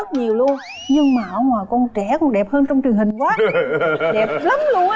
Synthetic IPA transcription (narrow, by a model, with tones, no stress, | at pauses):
t̚ɲi˨˩əwlu˧ən | ɲɨ˧ŋmaː˨˩ʔə˧˦ŋwaː˨˩jkɔ˧nt͡ɕɛ˧˩kʊ̰˧˥nɗɛ˨˩p̚həː˧nt͡ɕɔ˧wŋ͡mt͡ɕɨ˨˩əŋhï˨˩ŋ̟kwaː˨˦˨ɗɛ˨˩p̚lə˨˦mlu˧ən